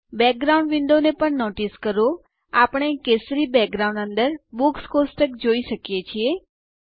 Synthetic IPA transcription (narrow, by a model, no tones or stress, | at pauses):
bɛk̚ɡɾaũɳɖʋɪɳɖonepəɳnoʈiskəɾo | apəɽ̃ekesɾibɛk̚ɡɾaũɳɖənd̪əɾbukskosʈəkd͡ʒoiʃəkjet͡ʃʰie